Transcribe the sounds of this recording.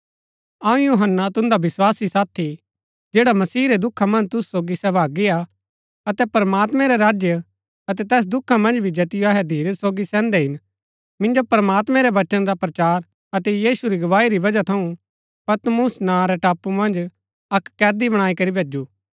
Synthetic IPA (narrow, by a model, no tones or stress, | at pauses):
ɐũjuːɦənːat̪ʊ̃nd̪aʋɪswaːsisaːt̪ʰi | d͡ʒeːɽamɐsiːɾɛd̪ʊkʰːamɐ̃nd͡ʒt̪ʊssoːɡisɛːʋaːɡia | ɐt̪ɛpɐɾmaːt̪mɛ̃ɾɛɾaːd͡ʒjə | ɐt̪ɛt̪ɛːs̬d̪ʊkʰːamɐ̃nd͡ʒbʱid͡ʒɐt̪ɪjoɐɦɛd̪ʱiːɾsoːɡisɛ̃ːnd̪ɛɦɪn | mɪ̃nd͡ʒopɾmaːt̪mɛ̃ɾɛʋɐt͡ʃənɾapɾɐt͡ʃaːɾ | ɐt̪ɛjiːsuɾiɡɐʋaːiɾiʋɐd͡ʒat̪ʰɐũ | pɐt̪mʊsnaɾɛʈaːpumɐ̃nd͡ʒ | ɐkːɛːd̪ibɐɽ̃aːikɐɾibʱeːd͡ʒuː